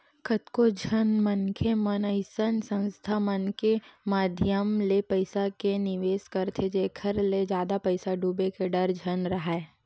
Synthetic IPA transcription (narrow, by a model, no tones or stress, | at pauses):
kʰət̪kod͡ʒʱənmənkʰemənəɪsənsə̃nst̪ʰamənkemaːd̪ʱjəmlepəɪsakenɪʋeːskɐɾt̪ʰed͡ʒeːkʰəɾled͡ʒjaːd̪apɐɪsaɖʱuːbekeɖəɾd͡ʒʱɐnɾɐɦae